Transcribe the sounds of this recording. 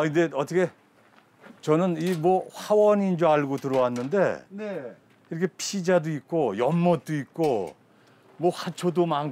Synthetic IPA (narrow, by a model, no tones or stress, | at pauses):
indeʌt͈ʰʌkʰe̞ | t͡ɕʌnɯnimwʌɸawʌnind͡ʑoaɭɡotɯɾʌwanːɯnde̞n | iɾʌkʰe̞pʰid͡ʑadoik̚k͈ojʌnmʌt̚t͈oik̚k͈o | mwʌɸat͡ɕʰodoman